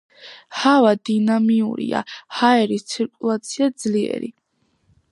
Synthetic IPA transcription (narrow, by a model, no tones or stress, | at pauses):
havad̪inamiuɾḭa̰haɛɾist̪sʰiɾkʼulˠat̪sʰiad̪zliɛ̰ɾḭ